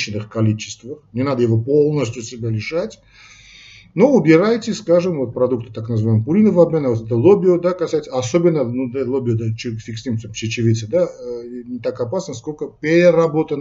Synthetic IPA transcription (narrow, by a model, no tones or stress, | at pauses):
ɪnɨxkɐlʲit͡ɕɪ̥st̪vəxnʲɪnad̪əjɪvo̞po̞lˠnəsʲtʲʊsʲɪbʲalʲɪʂatʲ | no̞ʊbʲɪɾajtʲɪskaʐɨmvot̪̚pɾɐd̪uk̚t̪ɨ̥t̪aknəzɨvajməpʊɾʲinəvɐbmʲenəvot̪ɛt̪əlˠobʲɪʊd̪akɐsajɪt̪səɐsobʲɪnːənud̪alˠobʲɪʊd̪at͡ʃɪfʲiksʲnʲimsʲampt͡ʃɪt͡ɕɪvʲit̪sɨd̪anʲɪt̪akɐpasnəskolʲkəpʲeɾʲɪɾɐbo̞t̪ən